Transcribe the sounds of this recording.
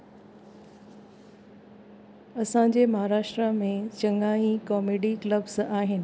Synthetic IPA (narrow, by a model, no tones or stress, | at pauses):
ɐsã̆d͡ʑeːmɐɦaːɾaːʃʈɾamẽt͡ɕɐ̃ŋaːĩkɔːmeːɖikləbsaːɦɪnɪ̆